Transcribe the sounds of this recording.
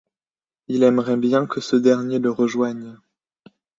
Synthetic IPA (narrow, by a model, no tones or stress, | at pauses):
ilɛmʁɛbjɛ̃kəsəd̪ɛʁnjeləʁəʒwaɲ